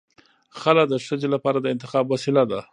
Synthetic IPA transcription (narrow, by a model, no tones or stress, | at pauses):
xalad̪əʂəd͡ʒelapɑɾad̪əɪnt̪ɪxɑbwasɪlad̪a